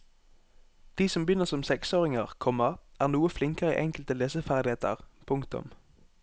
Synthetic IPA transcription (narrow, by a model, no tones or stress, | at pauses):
d̪̥iːsɔmbjʏnːəʁsɔmsɛksoːʁɪŋəʁkʰɔmɑʔæːʁnuːəflɪŋkəʁəḭʔɛŋkəlt̪əleːsəfæʁd̪ɪheːt̪ʰə̰ʁpʰʊŋkt̪ʊ̰m